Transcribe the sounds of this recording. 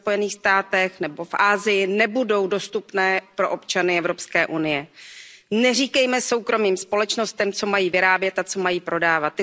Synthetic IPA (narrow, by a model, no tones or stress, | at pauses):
po̞jɛniːxst̪aːt̪ɛxnɛbo̞fʔaːzɪjɪnɛbudo̞wdo̞st̪upnɛːpɾo̞ʔo̞pt͡ʃanɪɛvɾo̞pskɛːʔunɪjɛ | nɛr̝iːkɛjmɛso̞wkɾo̞miːmspo̞lɛt͡ʃno̞st̪ɛmt͡somajiːvɪɾaːbjɛt̪at͡so̞majiːpɾo̞daːvat̪ː